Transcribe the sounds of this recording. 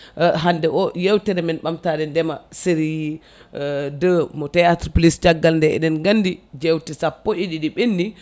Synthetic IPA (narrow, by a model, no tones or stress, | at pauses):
ɦandɛʔɔjewtɛɾɛmɛnɓamtadɛndɛmaseɾiji | dəmɔtɛjatɾpulisd͡ʒaɡːalndɛɛ̰ɗɛnɡandid͡ʒewtisapːɔʔiɗiɗiɓenːi